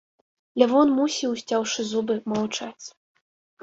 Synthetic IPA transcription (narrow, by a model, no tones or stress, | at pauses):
lʲavɔnmusʲiwsʲt͡sʲawʂɨzubɨmawt͡ʂat͡sʲ